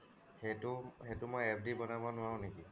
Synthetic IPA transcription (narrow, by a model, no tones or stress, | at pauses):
hetʊhetʊmɔjɛpʰdibɔnabɔnʊwaʊ̃neki